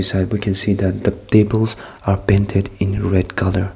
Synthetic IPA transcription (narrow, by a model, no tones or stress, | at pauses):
isɛd̚wikʰɛ̃nsiðæt̚ðətebəlˠz | aɹpɛ̃ntʰɪdɪ̃nɹɛdkʰʌlə˞